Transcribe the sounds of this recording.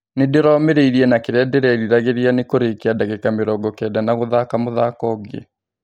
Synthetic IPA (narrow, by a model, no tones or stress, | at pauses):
nedeɾɔːmeɾeiɾiɛnakeɾɛdeɾɛɾiɾaɣeɾianekoɾekeadaɣekameɾɔɡɔkɛdanaɣoðakamoðaːkɔɡḛ